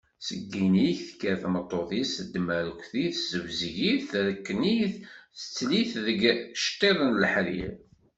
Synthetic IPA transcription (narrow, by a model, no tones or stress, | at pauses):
səɡːiniçθəkːəɾθmət̪ˤːoðisəd̪ːəməɾkʷθiθzəvzʝiθɾəkːəniθθə̥t͡sːliθðəɡʃt̪ˤːeðˤənləħɾḭɾ